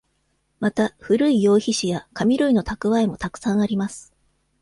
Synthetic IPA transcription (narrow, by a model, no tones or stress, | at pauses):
mat̪aɸɯ̟ɾɯ̟ijo̞ːçiɕijakamʲiɾɯ̟ino̞t̪akɯ̟βaemo̞t̪akɯ̟̥sãɰ̃aɾʲimasɨ̥